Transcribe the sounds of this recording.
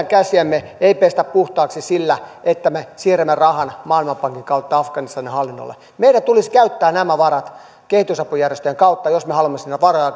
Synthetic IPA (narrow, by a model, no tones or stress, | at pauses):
æŋkæsiæmːe | eipest̪æppuht̪ɑːksisilːæet̪ːæmesiːremːerɑhɑnmɑːlmɑmpɑŋkiŋkɑut̪ːɑɑfɡ̥ɑnist̪ɑnihɑlːinːo̰lːḛ | meidæt̪uliskæyt̪ːæːnæmæʋɑɾɑt̪ | kehit̪ysɑpujærjest̪øjeŋkɑut̪ːɑjosmehɑlumːesinːæʋɑrojɑ